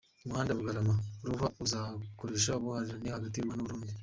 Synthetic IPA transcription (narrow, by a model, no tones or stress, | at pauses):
umuhaːndaβuɡaɾamauɾuβauzakoɾeːʃauβuhaɾiɾanihaɡatimanuβuɾuːndi